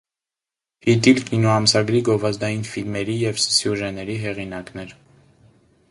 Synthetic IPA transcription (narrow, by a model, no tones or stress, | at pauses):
hit̪̬ilkinɔɑmsɑɡɾiɡɔvɑzd̪ɑjinfilmɛɾijɛvsjuʒɛnɛɾiɦɛʁinɑknɛɾ